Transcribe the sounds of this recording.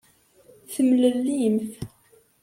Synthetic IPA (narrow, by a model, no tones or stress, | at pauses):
θəmləlːimθ